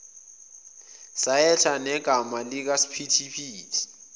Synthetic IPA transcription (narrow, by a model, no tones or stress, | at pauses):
saɛɬʰanɛɡ̥ʱamalɪk̬asi̥pʰitʰipʰiːtʰʼi̥